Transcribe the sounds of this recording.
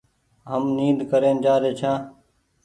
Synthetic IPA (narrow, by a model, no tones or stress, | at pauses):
ɦəmniːd̪ʱkəɾeːnd͡ʒaːɾeːt͡ʃʰãː